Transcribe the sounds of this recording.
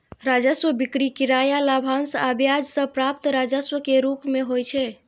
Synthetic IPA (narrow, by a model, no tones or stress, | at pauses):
ɾad͡ʒəsʋəbikɽikiɾajalabʱansabjad͡ʒsə̃pɾap̚t̪ɾad͡ʒəsʋəkeɾupmeɦojt͡ʃʰɛ